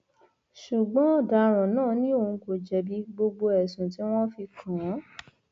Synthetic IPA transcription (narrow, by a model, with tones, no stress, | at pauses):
ʃu˨ɡ͡bɔ̃˨˦ɔ˦˨da˨˦˧ɾ̃ã˨nãː˦˨nĩ˦o˦˨ũ˧ko˨d͡ʒɛ˨bi˧˦ɡ͡bo˧ɡ͡bo˧ɛ˨sũ˨ti˨˦w̃ɔ̃˦fi˧kʰã˨˦